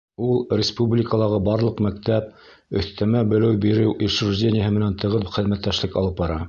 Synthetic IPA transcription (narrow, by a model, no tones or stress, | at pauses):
ulˠrʲɪspublʲɪkəlˠɑʁɤbɑɾlˠɤ̆qmæk̚t̪æp̚ | ɵ̆θt̪æmæbɘ̆lɘwbiɾɘwʔiʃɾuʒdʲenʲɪjəɦɤmɘ̆nænt̪ɤ̆ʁɤðχɘ̆ðmæt̪ːæʃlɘkɑ̰lˠɤp̚bɑɾɑ